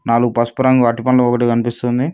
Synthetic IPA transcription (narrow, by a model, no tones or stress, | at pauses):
naːluɡupɐspɐɾɐŋɡuɐʈipɐnlɐɔkɐʈikɐnipist̪und̪i